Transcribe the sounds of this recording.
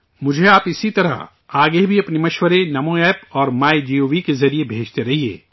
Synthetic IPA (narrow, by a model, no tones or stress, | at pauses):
mʊd͡ʒʱeaːpɪsit̪ɐɾə̰ɦ | aːɡebʱiɐpnemɐʃwəɾenɐmõɛːpɔːɾmaːjd͡ʒiːoːʋikezɐɾiebʱeːd͡ʒt̪eɾɐɦiḛː